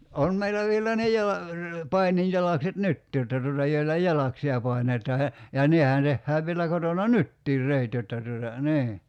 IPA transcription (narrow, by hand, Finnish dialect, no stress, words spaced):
on meilːæ ʋielæ ne jɑlɑ pɑinijːɑlɑkset nytːiː jotːɑ tuotɑ joilːɑ jɑlɑksiɑ pɑi̞netˑɑː jɑ jɑ nehæn tehːæːʋ ʋielæ kotonɑ nytːiːr reˑit jotːɑ tuotɑ niː